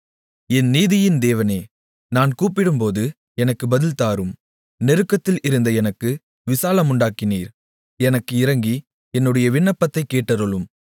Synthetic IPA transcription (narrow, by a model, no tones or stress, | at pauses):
ɛnniːðɪjɪnd̪eːʋɐneː | naːnkuːpːɪɽɯmpoːðɯ | ɛnɐkːɯbɐðɪlt̪aːɾɯm | nɛɾɯkːɐt̪ːɪlɪɾɯnd̪ɐɛnɐkːɯ | ʋɪsaːlɐmʊɳɖaːkɪniːɾ | ɛnɐkːɯɪɾɐŋɡi | ɛnːɯɽɐjɐʋɪɳːɐpːɐt̪ːɐɪkːeːʈːɐɾɔlɯm